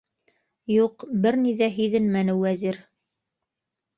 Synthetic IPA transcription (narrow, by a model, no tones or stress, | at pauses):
juqbɘɾniðæɦɵ̆ðɘnmænɘwːæziɾ